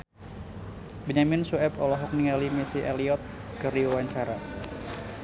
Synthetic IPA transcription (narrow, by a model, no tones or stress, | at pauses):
biɲamɪnsuɛpɔlɔɦɔk̚niŋalimisiʔɛliɔt̪̚ | kəɾiowaɲsaɾa